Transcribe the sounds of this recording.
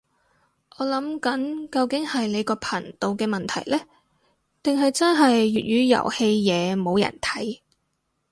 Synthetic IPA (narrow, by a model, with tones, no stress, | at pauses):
ʔɔː˨˧lɐ˨˥mkɐ˨˥nkɐ˧wkɪ˨˥ŋhɐ˨jle˨˧jkɔː˧pʰɐ˨˩nt̪o˨˧wkɛː˧mɐ˨nt̪ʰɐ˨˩jlɛː˥ | t̪ɪ˨ŋɦɐ˨jt͡sɐ˥nɦɐ˨jːyː˨t̚jyː˨˧jɐ̰˨˩whe˧jːɛː˨˧mo˨˧wjɐ̰˨˩nt̪ʰɐ̥˨˥j